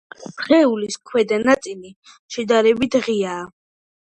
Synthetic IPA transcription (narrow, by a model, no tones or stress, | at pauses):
χɛuliskʰwɛd̪anat̪sʼili | ʃɛd̪aɾɛbit̪ʰʁiaː